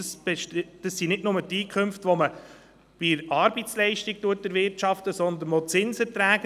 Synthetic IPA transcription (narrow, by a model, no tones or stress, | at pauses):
sbɛʃtːd̥əsːinɪdnʊmətiːkʰχømftʋɔmə | b̥ɪɾɑːɾbit͡slɛɪʃtik̚tuət̚dəɾʋɪɾtt͡ʃɑft̪əsɔnd̪ənʋɔt͡sɪnsəɾtɾæːɡ